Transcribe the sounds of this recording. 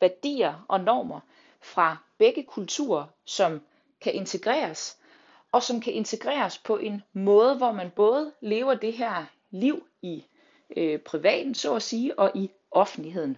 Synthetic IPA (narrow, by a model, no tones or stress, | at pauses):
ʋæɐd̥ḭːɐʔɒ̽nɒ̰ːmɐ | fʁɑ̈b̥eɡ̥əkʰult͡sʰṵːɐ | sɒ̽m | kʰæʔe̝nt͡sʰe̝ɡ̥ʁɛ̰ːɐs | ɒ̽sɒ̽mkʰæʔe̝nt͡sʰe̝ɡ̥ʁɛ̰ːɐspʰɒ̽ʔe̝nmɔ̽ːð̞ˠəʋɒmænb̥ɔ̽ːð̞ˠle̝ːʊɐd̥e̝ɦeɐ̰ | liʊ̰ | i | øpʰʁiʋɛ̰ːd̥n̩sɒ̰ːæsiːʔɒ̽ʔi | ʔɒ̽fn̩d̥liɦe̝ð̰ˠn̩